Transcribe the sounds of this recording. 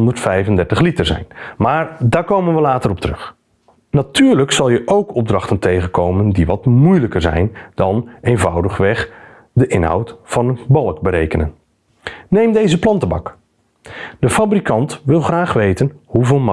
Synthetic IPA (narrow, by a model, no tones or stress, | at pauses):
ndərtfɛjvəndɛɹtəχlitəɹzɛ̰jnmaːɹdaːɹkowmənʋəlaːtəɾɔp̚tərɵχ | natyːɹləksɑlˠjəʔowkɔb̚drɑχtəntejχənkowməndiʋɑtmujləkəɹzɛ̰jnd̥ɑneːnvʌwdəχʋɛχ | dəʔɪnɦʌ̰wtfɑnənbɑlˠk̚bəɾejkənə̰n | nejmdejzəplɑntəbɑ̰k | dəfabrikɑntʋɪlˠχraːχʋejtənhuvɪːlˠmɑ